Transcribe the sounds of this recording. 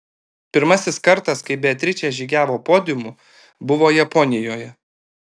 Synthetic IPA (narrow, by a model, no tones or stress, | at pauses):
pʲɪɾmɐsʲɪskɐɾt̪ɐskɐɪbʲɛt̪ʲɾʲɪt͡ʃʲɛʒʲiːɡʲæːʋoːpoːd̪ʲɪmʊ | bʊʋoːjɛpɔnʲɪjoːjɛ